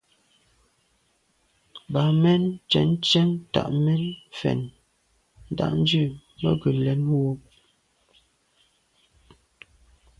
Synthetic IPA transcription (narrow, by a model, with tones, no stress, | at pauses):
ba˨mɛ˦nt͡ʃɛ̰˨n˦t͡ʃɛ˦nta̰˨ʔmɛ˦nfɛ̰˨n | n̩˨da̰˦ʔn̩˦d͡ʒʉ˦˨ | mə˦ɡə˨lɛ˨˦nwo˦